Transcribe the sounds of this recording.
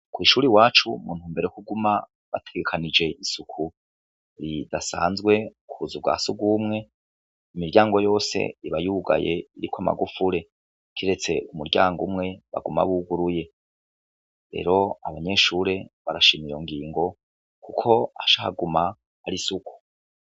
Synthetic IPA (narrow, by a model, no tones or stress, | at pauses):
kwiːʃuːɾiwaːt͡ʃumuːnhuːmbe̞ɾekuɡuma | βa̰tʰe̞̥ɡe̞kʰanid͡ʒe̞ʔisukʰu | ɾidasa̰ːnzɡwe̞kʰuuzubɡa̰ːsuɡumŋe̞ | imiɾɟaːŋɡo̞jo̞ːse̞̰iβajuːɡa̰je̞iɾikwama̰ɡufuɾe̞ | kʰiɾe̞t͡se̞umuɾɟaːŋɡṵmŋe̞βa̰ɡuma̰βuɡuɾuje̞ | ɾe̞̰ːɾo̞aβaɲe̞ʃuːɾe̞βaɾaʃimiijo̞̰ŋɡiːŋɡo̞ | kukʰo̞aʃaha̰ɡuma | aɾisuku̥